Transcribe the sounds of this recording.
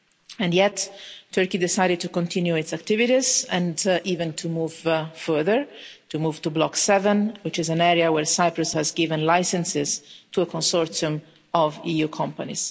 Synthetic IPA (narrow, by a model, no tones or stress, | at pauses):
ɛ̃njɛtʰːɜɹkid̪ɪsajɾɪd̚t̪ukɔ̃nt̪ʰĩnjuɪtsakt̪ɪviɾizɛ̃ndiːvə̃nt̪ʰumuːvfɜɹðəɹt̪umuːv̥t̪ublɔksɛvə̃nwɪt͡ʃɪzæ̃nɛɾiawɛɹsajpɹʊshæzɡɪvə̃nlajsɛ̃nsɪz̥t̪uəkʰɔ̃nsɔɹtsiũm | ɔvijukʰɔ̃mpanḭz̥